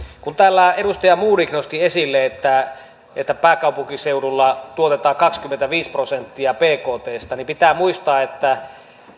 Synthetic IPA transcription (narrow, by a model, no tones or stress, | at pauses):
kunt̪æːlːæeɾust̪ɑjɑmuːɾiknost̪iesilːeet̪ːæ | et̪ːæpæːkɑˑupuŋkiseuɾulːɑt̪uot̪et̪ɑːkɑkskymːent̪æʋiːsprosent̪ːiɑpeːkoːt̪eːst̪ɑnimpit̪æːmuist̪ɑːet̪ːæ